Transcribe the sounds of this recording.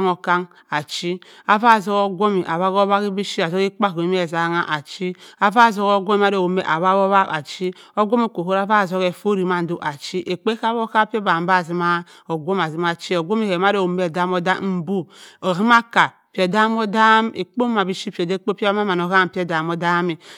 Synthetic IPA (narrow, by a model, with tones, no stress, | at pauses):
ŋo˨ka˦ŋ | a˨t͡ʃi˦ | a˨va˦˨zo˦ko˦ɡʷo˦mi˨ʔa˨βa˦ko˦βa˦ki˦bi˦ʃi˦a˨zo˦ke˦k͡pa˦˨o˨˦m˦e˨za˨˦ŋa˦ʔa˨t͡ʃi˦a˨va˦˨zo˦ko˦ɡʷo˦m˦a˦do˨wo˨mḛ˨ʔa˨βa˦bo˦βa˦ka˨t͡ʃi˦o˦ɡʷo˦me˨ko˨ho˦ɾa˦va˦˨zo˦ke˨fo˦ɾi˨ma˦n˦do˨ʔa˨t͡ʃi˦ʔe˨k͡pe˦ka˦βo˦ka˦pi˦e˦ba˨m˦ba˦˨zi˦ma˦ | o˨ɡʷo˦m˨a˨zi˦ma˨t͡ʃi˦o˨ɡʷo˦mi˦˨he˨ma˦do˨wo˨me˨da˦mo˦da˦m̩˨˦bu˦o˨ɦi˦ma˦ka˨ | pi˨e˨da˦m˦o˦da˦mḛ˨k͡po˦ma˨bi˦ʃi˦pi˨e˨de˦k͡po˦pʲe˦a˦ma˦ma˨n˨o˨ɣa˦˨m˨pi˦e˦˨da˨mo˦da˦mi˨